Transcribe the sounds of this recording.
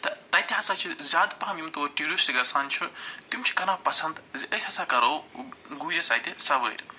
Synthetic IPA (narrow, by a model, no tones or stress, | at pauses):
t̪ɐt̪ɐjt̪iɦɐsaːt͡ʃʰizaːd̪pɐɦɐmjimt̪oɐʈiɾusiɡɐsaːnt͡ʃʰut̪imt͡ʃʰi̥kɐnapɐsɐnd̪zʔɐsʲhɐsaːkɐɾowɡuːjɐsaːjt̪esɐʋə̰ːjɾ